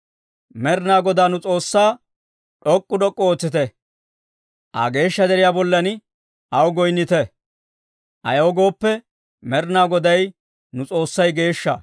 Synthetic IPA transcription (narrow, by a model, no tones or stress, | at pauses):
mɛɾnaːɡɔd̪aːnʊt͡sʼo̞ːsːaː | ᶑɔkʼːʊdɔkʼːɔoːt͡sːɪt̪ɛ | ʔɐ̰ɡe̞ːʃːɐd̪ɛɾɪjaːbɔlːɐn | ʔɐwɡɔjnːɪt̪ɛ | ʔɐ̰jɐwɔɡo̞ːpːɛ | mɛɾnaːɡɔd̪ɐj | nʊt͡sʼo̞ːsːɐjɡe̞ːʃːɐ̰